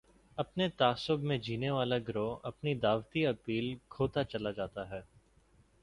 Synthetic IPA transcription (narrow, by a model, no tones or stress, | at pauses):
ɐpnet̪aːsʊbmẽd͡ʒiːneʋaːlaɡɾoɐpnid̪aːʋt̪iɐpiːlkʰoːt̪at͡ʃɐlad͡ʒaːt̪aɦɛː